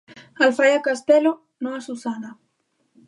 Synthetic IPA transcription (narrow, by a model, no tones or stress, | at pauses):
alfajakast̪elo | nõasusana